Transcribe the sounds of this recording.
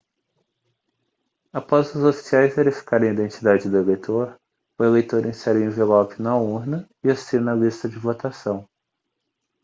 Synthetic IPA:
apɔzʊzofi̥siajzveɾifi̥kaɾẽid̪ẽnt͡ʃid̪ad͡ʒɪd̪ʊelejt̪ʰoɾ | ʊelejt̪oɾẽsɛɾẽvelɔpɪnɐuɾnɐ | ɪasinɐlist̪ɐd͡ʒɪvot̪asɐ̃w̃

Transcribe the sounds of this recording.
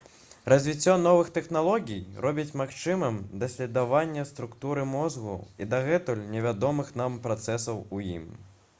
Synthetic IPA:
rɐzʲvʲit͡sʲːɔnɔvɨxt̪ɛxnalˠɔɣʲijrɔbʲit͡sʲmaxt͡ʂɨmɨmd̪ɐsʲlʲɛd̪avanʲːɐst̪ɾukt̪uɾɨmɔzɣṵid̪aɣɛt̪ulʲnʲɛvʲad̪ɔmɨxn̪ampɾat̪sɛsɐwujḭm

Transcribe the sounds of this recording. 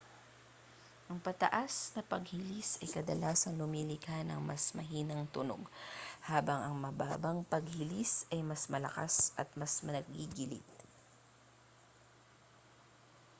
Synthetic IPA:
ʔɐŋpɐt̪ɐʔasnɐpɐɡhilisɐjkɐd̪ɐlaːsɐŋlʊmilɪɡhanɐ̰ŋmɐ̰smɐɦiːnɐŋt̪ʊno̰ɡhaːbɐŋɐŋmɐba̰ːbɐŋpɐɡ̚hɪlisɐjmɐsmɐlɐ̰ka̰sʔɐt̪̚mɐsmɐnɐɡiɡɪlḭt̪̚

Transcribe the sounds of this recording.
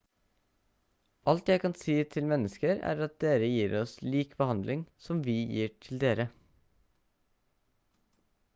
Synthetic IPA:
ʔɑlt̪jæɪkɑnsiːt̪ʰɪlmɛnəskəɾæ̰ːɾɑt̪̚d̪eːɾəjiːɾɔsliːkbəhɑnd̪lɪŋsɔmʋiːjḭːʈʰɪld̪eːɾə

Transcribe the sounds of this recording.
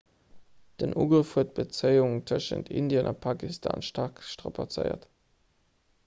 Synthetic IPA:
d̥ənʔuːɡʁəfhuət̚b̥ət͡səɪʊŋtʰəʃə̰ntʰʔindjənʔɑpʰaːkistʰa̰ːnʃtɑkʃtʁapʰat͡sə̰ɪɐ̰t

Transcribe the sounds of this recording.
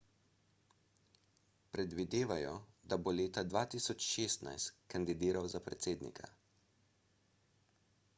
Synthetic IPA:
pɾɛd̪ʋid̪eːʋajɔd̪aboleːt̪ad̪ʋaːt̪iːsɔt͡ʃʃeːst̪na̰jst̪kand̪id̪iːɾawzapɾɛt̪seːd̪nḭkʰa̰

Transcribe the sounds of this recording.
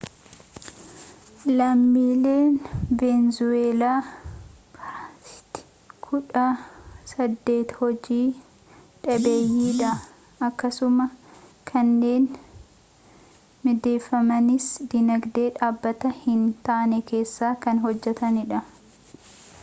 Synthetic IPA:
lɐmːiːle̞ːnvenzʊeːlaː | ɪ̥t̪ɪ̥ | kʰʊᶑɐsɐd̪ːe̞ːt̪hɔd͡ʒiː | ᶑɐbe̞ːjːiːᶑɐ | ɐkːɐsʊmɐkʰɐnːe̞ːn | mɪd̪e̞ːfːɐmɐnɪsd̪ɪnɐɡd̪e̞ːᶑaːbːɐt̪ɐhɪnt̪aʔnɛke̞ːsːaːkɐnɦɔd͡ʒːɛt̪ɐnɪᶑɐ

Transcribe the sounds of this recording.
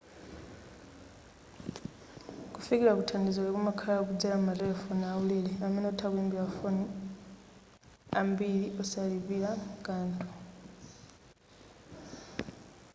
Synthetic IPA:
kufikilakutʰaːndizolekumakʰalaokud͡ʒalamarefonawuleleamenotʰakweːmbilafon | ambiliʔosaliβilakaːntʰu̥

